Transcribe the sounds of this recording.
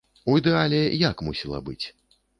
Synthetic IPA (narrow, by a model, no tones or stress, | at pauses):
ujid̪ɛalʲɛjakmusʲilˠɐ̰bɨt͡sʲ